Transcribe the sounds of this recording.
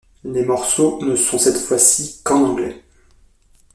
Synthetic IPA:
lemɔʁsonəsɔ̃sɛt̪fwasikɑ̃ɡlɛ

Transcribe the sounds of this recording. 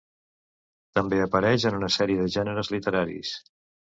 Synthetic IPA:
t̪əmbeəpəɾɛʃənunəsɛɾiəðəʒɛnəɾəzlit̪əɾaɾḭs

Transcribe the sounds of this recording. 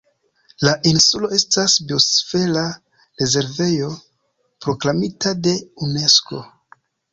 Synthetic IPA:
laʔinsulo̞e̞stasbio̞sfe̞la | ɾe̞ze̞ɾve̞jo̞ | pɾo̞klamitade̞une̞sko̞̰

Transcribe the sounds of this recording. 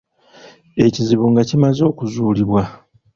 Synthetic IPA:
e̞ciziβuŋɡacimazo̞ːkuzuːliβwa

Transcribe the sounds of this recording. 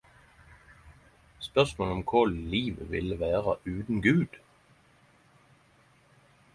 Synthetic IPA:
spœʁsmoːlɔmkʰʊlliːʋəʋɪ̰ləʋæːʁɑʔʉːd̪n̩ɡʉːd̪̥

